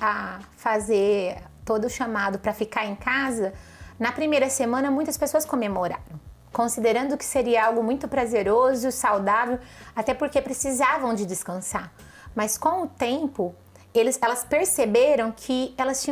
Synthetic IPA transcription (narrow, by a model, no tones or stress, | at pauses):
afazeɾt̪od̪ʊːʃamad̪ʊpɾɐfikaɾẽkazɐ | nɐpɾimejɾɐsemɐ̃nɐmũj̃t̪ɐspesoɐskomemoɾa̰ɾɐ̃w̃ | kõsid̪eɾɐ̃nd̪ʊkɪ̥seɾiɐawɡʊmũj̃t̪ʊpɾazeɾozʊsawd̪avewat̪ɛpoɾkepɾesizavɐ̃w̃d͡ʒɪd͡ʒɪskɐ̃sa | mɐskõw̃ʊt̪ẽmpʊ | elɪsɛlɐspeɾsebeɾɐ̃w̃kʰɪɛlɐst͡ʃĩ